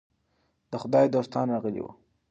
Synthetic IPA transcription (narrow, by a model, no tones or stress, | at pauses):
d̪̥əxʊd̪ɑjd̪ost̪ɑnɾɑɣəlḭwṵ